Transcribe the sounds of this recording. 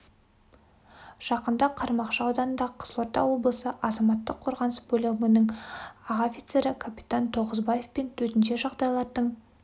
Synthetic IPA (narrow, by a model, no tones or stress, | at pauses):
ʒ̥ɑqənd̪ɑqʰɑɾmɑqʃəɑwd̪ɑnənd̪ɑqʰə̥slˠoɾt̪ɑ̰wo̞blˠəsəʔɑzɑmɑt̪ːəqʰːoɾʁɑnəsbɵlʲɪmənəɴɑʁafʲit̪se̞ɾɪkʰapʲit̪ant̪ʰo̞ʁəzbaje̞fpe̞nt̪ʰɵt̪ɪnʃe̞ʒɑʁd̪ɑjlˠɑɾd̪əɴ